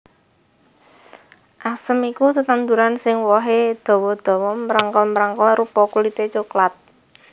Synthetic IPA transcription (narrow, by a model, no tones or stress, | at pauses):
ʔasəmikut̪ət̪and̪uɾansɪŋwɔɦed̪̥ɔ̤wɔd̪̥ɔ̤wɔmɾaŋkɔlməɾaŋkɔlrupɔkulit̪et͡ʃoklat̪̚